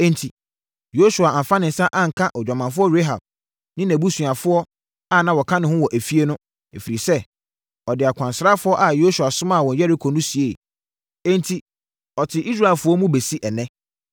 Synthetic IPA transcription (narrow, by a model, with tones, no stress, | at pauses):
ɛ̃˦ntʰi˨ | jo˦su˨a˨ã˨fã˦nɪ̃˨n̩˦sa˦ʔã˦ŋ̩˨kʰã˦ʔɔ˨d͡ʑᶣa˨mã˨fʊ˦ɔ˦ɾe˦ɦa˨b̚ | nɪ̃˦næ̃˨bu˦sũ˨a˨fʊ˦ɔ˦ | a˦˨nã˦wɔ˨kʰã˦nɪ̃˨hʊ̃˦wɔ˨ʔæ˨fi˦e˦nʊ̃˦ | e˨fi˨ɾi˨sɛ˦ | ɔ˨dɪ˨a˨kʷʰã˨nsɾa˦fʊ˦ɔ˦ʔa˨jo˦su˨a˨sʊ˦mã˦˨wɔ̃˨n˦jɛ˦ɾi˦kʰo˨nʊ̃˦si˨e˦˨ | ɛ̃˦ntʰi˨ | ɔ˨tʰɪ˨ʔi˦s̬ɾa˨ɪ˨lfʊ˦ɔ˦mũ˦be˨si˦ʔɛ˨nɛ̃˦